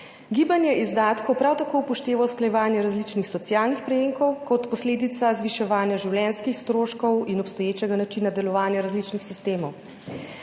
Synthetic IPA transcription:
ɡiːbanjɛʔizd̪aːt̪kɔwpɾawt̪akoːwpɔʃt̪eːʋaɔsklajɛʋaːnjɛɾazlit͡ʃnixsɔt̪sjaːlnixpɾɛjeŋkɔwkɔt̪pɔsleːd̪it̪sazʋiʃɛʋaːnjaʒiwlɛnskixst̪ɾoːʃkɔwinɔpst̪ɔjeːt͡ʃɛɡanat͡ʃinad̪ɛlɔʋaːnjɛɾazlit͡ʃnixsist̪eːmɔw

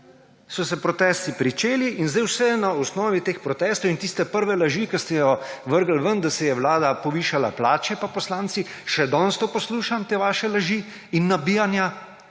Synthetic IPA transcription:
sɔsɛpɾɔt̪ɛst̪ipɾit͡ʃeːliʔinzd̪ɛjwsɛnaɔsnɔːʋit̪eːxpɾɔt̪ɛst̪ɔwint̪ist̪ɛpəɾʋɛlaʒikɛst̪ɛjɔʋəɾɡəlʋənd̪asɛjɛwlaːd̪apɔʋiːʃala̰plaːt͡ʃɛpapɔslaːnt̪si | ʃɛd̪ɔnst̪ɔpɔsluːʃamt̪eːʋaːʃɛlaʒi | inːabiːjanja

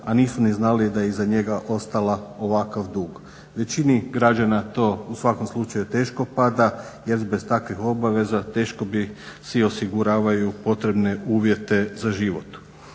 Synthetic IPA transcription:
aniːsuniznalid̪ajezaɲeɡaʔo̞st̪alao̞ʋakaʋd̪uːɡ | ʋe̞t͡ɕiniɡɾad͡ʒanat̪o̞ːusʋako̞mslˠut͡ʃajut̪e̞ːʃko̞pad̪a | je̞ɾbe̞st̪akʋixo̞baʋe̞zat̪e̞ːʃko̞bisio̞siɡuɾaːʋajupo̞t̪ɾe̞bne̞uːʋje̞t̪e̞zaʒiʋo̰t̪

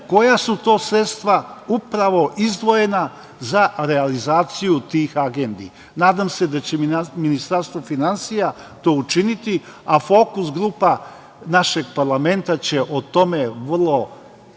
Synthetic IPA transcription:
ko̞jasut̪o̞ːsɾet̪st̪ʋaupɾaʋo̞ʔizd̪ʋo̞je̞na | zaɾealizaːt̪sijut̪iːxaɡend̪i | naːd̪amse̞d̪at͡ɕeminist̪aɾst̪ʋo̞finansija | t̪o̞ːut͡ʃinit̪iafo̞ːkusɡɾuːpa | naʃe̞ɡpaɾlˠame̞nt̪at͡ɕeʔot̪o̞meʋrlˠo̞

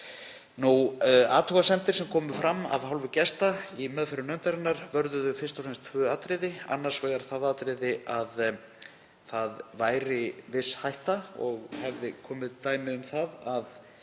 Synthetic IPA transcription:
nua̰ːt̪ʰuɣasɛnt̪ɪɾ̥sɛmkʰɔːmʏfɾʔamːa̰vɦawlvʏcɛst̪aimœːðfɛɾʏnœnt̪aɾɪnːaɾvœɾðʏðʏfɪrst̪awfsɛnst̪ʰvœːaːt̪ɾɪðɪa̰nːaɾ̥svɛːɣaɾ̥θaðaːt̪ɾɪðɪað | θaðvaːjɾɪvɪshajht̪aɔɣhɛvðɪkʰɔːmɪðt̪aːjmɪðʏmθaðað

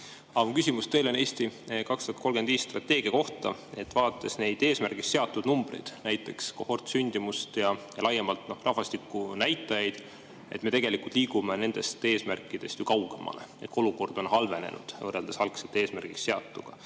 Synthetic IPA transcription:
ɑmukysʲimust̪e̞jlo̞ne̞ːst̪ikɑkst̪ɑ̥ɑt̪ko̞lɡed̪viːst̪rɑt̪ːˑe̞ːɡ̥iɑko̞ht̪ɑ̰e̞t̪ːˑvɑːt̪ːˑe̞sne̞jd̪̥e̞ːsmærɡ̥iksːe̞ɑt̪ːˑud̪̥numb̥rḛjd̪̥næjt̪ˑːe̞kskohort̪synʲd̪̥imust̪jɑjɑlɑjemɑlt̪norʔɑhvɑst̪ikːˑunæjt̪ːˑɑjɑjd̪̥ | e̞t̪ːme̞t̪eɡ̥e̞likult̪liːɡume̞ne̞nd̪̥e̞st̪e̞ːsmærkːˑid̪̥e̞st̪jukɑwɡ̥e̞̰mʔɑ̰le̞̰et̪ko̞luko̞rd̪̥o̞nɦɑlve̞ne̞̰nʔṵd̪̥vɤrːeld̪̥esɑlkset̪ːeːsmærɡ̥iksse̞ɑt̪ːˑuɡ̥ɑ̰

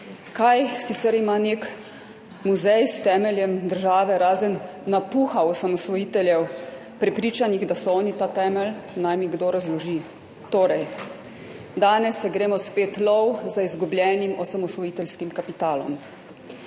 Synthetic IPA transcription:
kajsit̪sɛɾimanek | muzɛjst̪ɛːmɛljɛmd̪əɾʒaːʋɛɾaːzənː | apuxaɔsamɔsʋɔjiːt̪ɛljɛw | pɾɛpɾiːt͡ʃaniɣd̪asɔɔːnit̪aːt̪ɛːmɛlnajmiɡd̪oːɾazlɔʒi | t̪oːɾɛj | d̪aːnɛsːɛɡɾeːmɔspeːt̪lɔwzaizɡublʲjɛːnimɔsamɔsʋɔjiːt̪ɛlskimkapit̪aːlɔ̰m

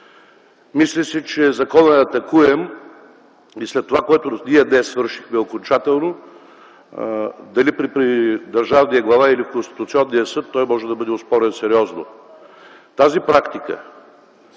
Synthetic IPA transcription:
mislɛsit͡ʃɛzɐkɔnəɐt̪ɐkuɛm | islɛt̪ːovakoɛt̪ʊniɛd̪nɛsːvɤɾʃixmɛokont͡ʃat̪ɛlˠno | d̪ɐlipɾipɾid̪ɐɾʒavnijəɡlˠɐvailifkonst̪i̥t̪ʊt̪siɔnːijəsɤt̪ːɔjmɔʒɛd̪ɐbɤd̪ɛʊspɔɾɛnsɛɾʲiɔzno | t̪azipɾakt̪ikə̰

